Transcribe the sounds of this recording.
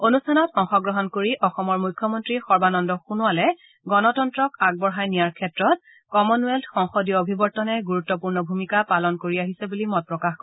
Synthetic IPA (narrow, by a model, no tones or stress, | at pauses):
onustʰanɔtɔŋxɔɡɹɔɦɔnkoɹiʔɔxɔmɔɹmujkʰjɔmɔntɹixɔɹbanɔndɔxunuwalɛ | ɡɔnɔtɔntɹɔkaɡ̚bɔɹɦajnijaɹkʰɛtɹɔt̚ | kɔmɔnuɛldxɔŋxɔdijɔobʱibɔɹtɔnɛɡuɹutːɔpuɹnɔbʱumikapalɔnkoɹiaɦisɛbulimɔt̚pɹɔkax